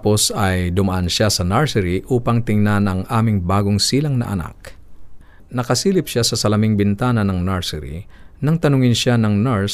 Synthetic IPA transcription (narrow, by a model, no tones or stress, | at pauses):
po̞sɐjd̪ʊmɐʔanʃasɐnɛɹsɛɾiʔuːpɐŋt̪ɪŋnanɐŋʔaːmɪŋbaːɡoŋsiːlɐŋnɐʔɐ̰na̰k̚ | nɐkɐsiːlɪpʃasɐsɐlɐmɪŋbɪnt̪aːnɐnɐŋnaɹsɛɾḭnɐŋt̪ɐnʊŋɪnʃanɐŋnɛɹs